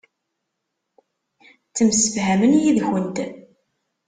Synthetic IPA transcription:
t͡sːəmsəfhæmənjiðçənt̪

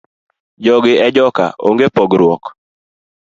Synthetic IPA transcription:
d͡ʒɔɡɪɛd͡ʒɔka̰o̰ŋɡepɔɡɾwɔk

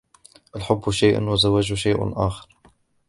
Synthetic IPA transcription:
ʔalħʊbːʊʃaːʔa̰nwɪzawaːʒʊʃaːʔa̰lʔaːxɪ̥ɾ

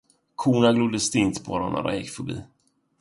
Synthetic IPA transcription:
kʰuːnaɡlud̪əst̪ɪnt̪bɔ̰ɾana̰da̰jɪkfəbḭː

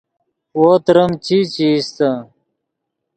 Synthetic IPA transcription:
woːt̪ɾɐmt͡ɕit͡ɕist̪a

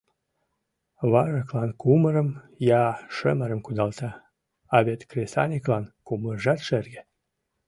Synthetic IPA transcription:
βɑʒəklɑnkuməɾəm | jɑʃəməɾə̆mkud̪ɑlt̪ɑ | ɑβet̪krʲesɑ̰nʲiklˠɑnkumərʒɑt̪ʃerɡĕ

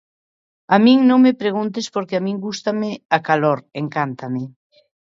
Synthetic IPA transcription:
amĩŋnõŋmepɾeɣunt̪̬espoɾkeamĩŋɡust̪ameakaloɾeŋkant̪amɪ

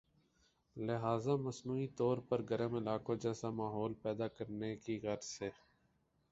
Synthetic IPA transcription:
lɪɦaːzaːməsnuːit̪ɔːɾpəɾɡəɾəmɪlaːkõd͡ʒɛːsamaːɦoːlpɛːd̪aːkəɾnekiɣəɾseː

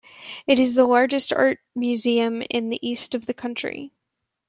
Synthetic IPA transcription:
ɨɾɨzðəlɑɹd͡ʒɨstɑ̰ɹt̚mjʉziɨ̃mɪ̰̃nðḭʔistʌvðɨkʰʌ̃nt͡ʃɹ̥ḭ

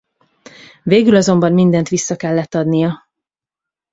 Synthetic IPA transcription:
veːɡylɒzo̞mbɒmmind̪ɛnt̪ʋisːɒkɛlːɛt̪ːɒd̪nijɒ

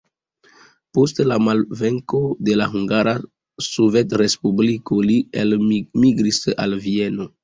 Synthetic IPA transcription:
postlamalve̞ŋko̞de̞laɦuŋɡaɾʔa | sove̞tɾe̞spublikolielmiɡɾisa̰lvie̞no̞

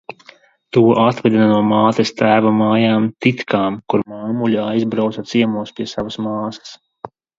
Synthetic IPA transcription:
t̪uɔʔat̪vɛd̪ʲinanuɔmaːt̪ɛst̪æːvamaːjaːmt̪it̪kaːmkuɾmaŋmulʲaajzbɾawt̪sat̪siɛmuɔspʲiɛsavasmaːsɐ̥s

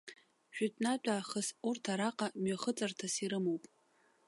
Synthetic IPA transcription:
ʒᶣatʰʼnat͡pʷʼaːχəsurtʰaɾaqʼamɥaχət͡sʼartʰasiɾɨmowpʼ

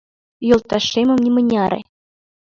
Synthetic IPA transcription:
jolˠt̪ːɑʂemɤ̆mnʲimɘ̆nʲɑɾʲḛ

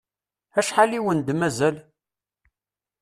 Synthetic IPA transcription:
æʃħaliwənd̪mæzæl

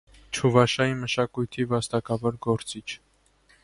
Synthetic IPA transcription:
t͡ʃʰuvɑʃɑiməʃɑkujt̪ʰivɑst̪ɑkɑvɔɾɡɔɾt͡sit͡ʃʰ

